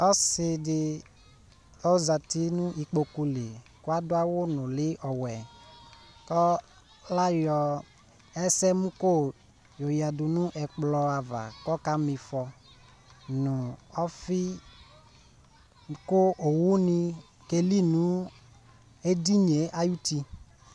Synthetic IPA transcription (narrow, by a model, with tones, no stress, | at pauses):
ɔ˦sɪ˧dɪ˨˧ | ɔ˦za˨ti˦nũ˦i˨k͡po˧ku˧le˨kwa˦dʊ˦a˦wʊ˦nʊ̃˨lɪ˦ʔɔ˨wɛ˨ | kɔ˦ | la˦jɔ˨ | ɛ˦sɛ˦mũ˦ko˦˨ | jo˨ja˨du˨nu˦ʔɛ˨k͡plɔ˧a˨va̰˨kɔ˦ka˦mi˨˧fɔ˧ | nu˨ɔ˦fi˦ | ko˦ʔo˨wu˦ni˧ | ke˧li˦nu˨˦ | e˦di˦ɲe˨˦a˦ju˦ti˧